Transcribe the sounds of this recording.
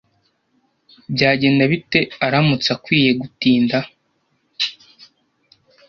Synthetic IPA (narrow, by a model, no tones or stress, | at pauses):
bɟaːɟe̞ːndaβite̞aɾamut͡sakwiːje̞ɡutiːnda